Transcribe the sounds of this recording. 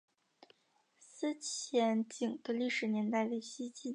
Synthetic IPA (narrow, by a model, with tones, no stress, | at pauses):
sɹ̩˥t͡ɕʰjɛ˧˥nt͡ɕi˨˩ŋd̪ə˧li˥˩ʂɻ̩˨˩njɛ˧˥nt̪a˥˧ɪwe˥˩ɕi˥t͡ɕi˥